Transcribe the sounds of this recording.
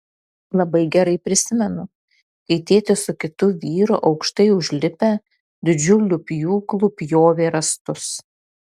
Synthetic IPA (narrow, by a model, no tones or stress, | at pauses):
lˠɐbɐɪɡʲɛɾɐɪpʲɾʲɪsʲɪmʲɛnʊ | kɐɪt̪ʲeːt̪ʲɪsʊkʲɪt̪ʊʋʲiːɾʊʔɒʊkʃt̪ɐɪʊʒʲlʲɪpʲɛ | d̪ʲɪd͡ʒʲʊlʲʊpʲjuːklˠʊpʲjoːʋʲeːɾɐst̪ʊs